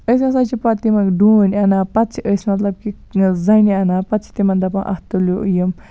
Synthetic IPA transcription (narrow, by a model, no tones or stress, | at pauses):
əs̬ʲɐ̃sat͡ʃʰipat̪imɐkɖuːnɐnaːpɐt̪t͡ʃʰiəsmɐt̪lɐb̚ki | zɐjniɐnaːpɐt̪t͡ʃʰi̥t̪imɐnd̪ɐpɐnʔɐ̰ht̪uljoujəm